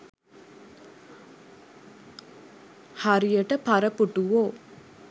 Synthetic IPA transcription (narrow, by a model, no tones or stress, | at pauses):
haɾijəʈəpaɾəpuʈuʋoː